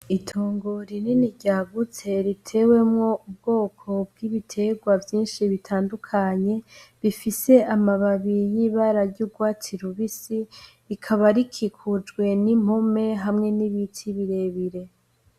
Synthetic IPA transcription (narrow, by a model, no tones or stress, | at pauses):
itʰoːŋɡoɾininiɟaːβut͡se̞ɾitʰe̞we̞mŋo̞ub̚ɡo̞ːkʰo̞bɡiβitʰe̞ɡwavjiːnʃiβitʰaːndukʰaɲe̞βifise̞amaβaβijiːβaɾaɾɟuːɡwaːtʰiɾuβisi | ikʰaβaɾikʰikʰud͡ʒɡwe̞nim̥ome̞ɦamŋe̞niβitʰiβiɾe̞βiɾe̞